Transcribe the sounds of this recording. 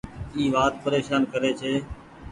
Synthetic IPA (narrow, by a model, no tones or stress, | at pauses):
iːʋaːt̪̚pəɾeːʃaːnkəɾeːt͡ʃʰeː